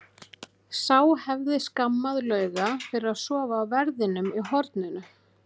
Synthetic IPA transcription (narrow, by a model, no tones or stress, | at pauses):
saːwhɛvðɪskamːaðlœːɥɣafɪɾɪɾaðsɔːvaːwvɛɾðɪnʏmiɦɔɾt̪nʏnʏ